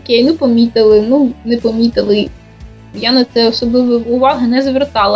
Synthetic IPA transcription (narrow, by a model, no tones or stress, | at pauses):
ɔkʲejnupɔmʲit̪ɪlˠɪnunɛpɔmʲit̪ɪlˠɪ | janɐt̪sɛɔsɔblˠɪʋɔʊʋɑɦɐnɛzɐʋert̪ɑlˠɐ